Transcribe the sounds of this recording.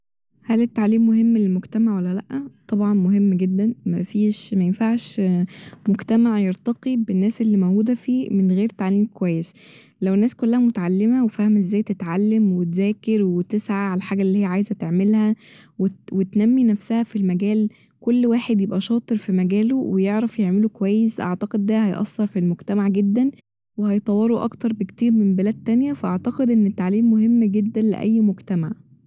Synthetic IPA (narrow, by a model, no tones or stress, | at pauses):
hælet̪ːaʕliːmːoɦemːnelmoɡt̪æmaʕwælːælæʔːæt̪ˤɑbʕɑnmoɦemːɡed̪ːænmæfiːʃmæjenfaʕʃ | moɡt̪æmaʕjeɾt̪ɑqibenːæːsʔelːiːmæwɡuːd̪æfiːmenɣeːɾt̪aʕliːmkowæjːes | læwenːæːskolːæhæmot̪aʕalːemæwefæhemʔezːæːjt̪et̪ʕalːemwet̪zæːkeɾwet̪esʕaʕalæħaːɡæʔlːiːhɪjːæʕaːjzæt̪eʕmelhæ | wewet̪næmːinæfsæhæfilmæɡæːl | kolːwaːħed̪jebʔæʃɑːt̪ˤɨɾfimæɡæːlowejeʕɾæfjeʕmelokowæjːesʔa̰ʕt̪ɑqed̪ːæhæjʔɑ̰sːɑɾˤfilmoɡt̪æmaʕɡed̪ːæn | wehɑjt̪ˤɑwːɑɾˤoʔɑ̰kt̪ɑɾˤbekt̪iːɾmembelæːd̪̚t̪ːænjæfæʔaʕt̪ɑqed̪ʔenːet̪ːaʕliːmːoɦemːɡed̪ːænlḛʔæ̰jːmoɡt̪æmaʕ